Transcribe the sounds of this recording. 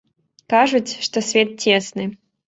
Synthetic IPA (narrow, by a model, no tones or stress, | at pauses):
kaʐɨtʲʂt̪osʲvʲet̪̚tʲesnɨ